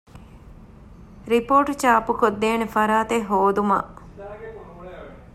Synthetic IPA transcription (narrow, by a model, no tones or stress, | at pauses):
ɾipoːʈt͡ʃaːpukod̪ːeːnefɐɾaːt̪eɦoːd̪uma̰